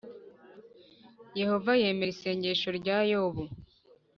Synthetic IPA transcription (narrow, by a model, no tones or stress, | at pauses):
je̞ho̞vaje̞ːme̞ɾise̞ːɲɟe̞ʃo̞ɾɟaːjoβu